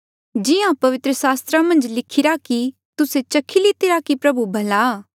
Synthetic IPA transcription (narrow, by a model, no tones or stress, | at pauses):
d͡ʒɪjãpɐʋɪt̪ɾəsaːst̪ɾamɐ̃nd͡ʒlɪkʰɪɾaki | t̪ʊset͡ʃɐkʰilit̪ɪɾakipɾɐbubʱɐlaː